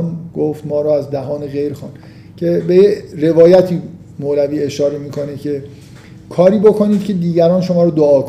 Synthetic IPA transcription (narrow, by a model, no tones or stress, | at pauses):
nɡ̥oft̪mɒːɾɔːæzd̪æɦɒːneɣejɾxɑːnd̪ | cʰe̞bejeɾe̞vɒːjæt̪ʰiː | molæviːe̞ʃɒːɾemiːkʰonecʰe̞ | kʰɒːɾiːbo̞kʰoniːd̪̥̚cʲʰe̞d̪iːɟæɾɒːnʃo̞mɒːɾɔd̪oɒːk